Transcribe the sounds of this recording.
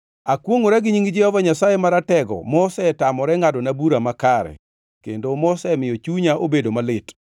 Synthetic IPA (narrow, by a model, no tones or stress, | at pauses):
akwoŋoɾaɡɪɲiŋɡd͡ʒɪhɔvaɲasajemaɾatɛɡɔ̰mɔsɛtamɔɾɛŋadɔnabuɾamakaɾɛ̰ | kḛndomɔsɛmɪjɔt͡ʃuɲaʔobedomalɪt